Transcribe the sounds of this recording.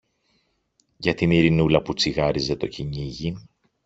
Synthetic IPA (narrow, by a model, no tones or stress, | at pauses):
ʝɐt̪iniɾinulɐput͡siɣɐɾize̞t̪o̞cʰiɲiʝi